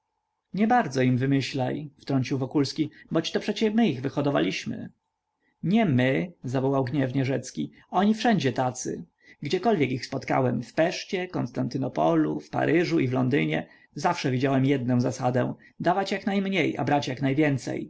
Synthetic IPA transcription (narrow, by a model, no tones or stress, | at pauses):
ɲɛbaɾd̪zɔimvɘmɘɕlajft̪ɾɔɲt͡ɕiwvɔkulskʲibɔt͡ɕt̪ɔpʂɛt͡ɕɛmɘiɣvɘxɔd̪ɔva̰lʲiɕmɘ̰ | ɲɛmɘzavɔwawɡɲɛvɲɛʐɛt̪skʲi | ɔɲifʂɛɲd͡ʑɛt̪at̪sɘ̰ | ɡd͡ʑɛkɔlvʲjɛkixspɔt̪ka̰wɛmfpɛʂt͡ɕɛkɔnst̪ant̪ɘnɔpɔlufpa̰ɾʔɘʐuivlɔnd̪ɘɲɛ | zafʂɛvʲid͡ʑawɛmjɛd̪nɔ̃w̃zasad̪ɛ̰̃w̃ | d̪avat͡ɕjaknajmɲeja̰bɾat͡ɕjaknajvʲjɛnt̪sɛ̰j